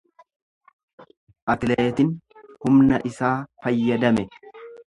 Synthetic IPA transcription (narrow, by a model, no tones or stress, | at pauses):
ʔɐt̪leːt̪ɪnhʊmnɐʔɪsaːfɐjːɐd̪ɐmɛ